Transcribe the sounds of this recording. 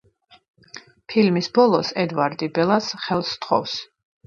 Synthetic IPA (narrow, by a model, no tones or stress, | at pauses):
pʰilmisbɔlˠɔsɛd̪vaɾd̪ibɛlˠasχɛlˠst̪ʰχɔ̰fs